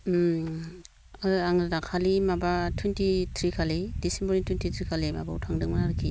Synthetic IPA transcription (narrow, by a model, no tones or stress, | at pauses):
aaŋɾadakʰalimabatʰwintʰitʰɾikʰalidisembɔɾiŋtʰwintʰitʰɾikʰalima̰bautʰaŋdɯŋmanaɾɯkʰːi